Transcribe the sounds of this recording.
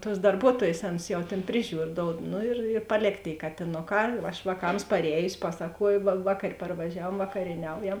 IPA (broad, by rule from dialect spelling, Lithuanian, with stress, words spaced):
tuɔs dɐrˈbuɔtuɔjeːs ˈɑːˌnʊs jɛʊ ˈtʲeːn ˈpʲrʲɪˌʒʲuːr ˈdoːʊt ˈnʊ ɪr ɪr pɐˈlʲeːk tʲeːɪ kɐtʲɪˈnoːˌkɑː ɐʃ ʋɑːˈkɐms pɐrʲˈɛːjʊsʲɪ ˈpɑːsɐkuɔjʊ ʋɐ ʋɐ kɐt pɐrʋɐˈʒʲæːʋuɔm ʋɐkɐrʲiɛˈnʲɛʊjɛm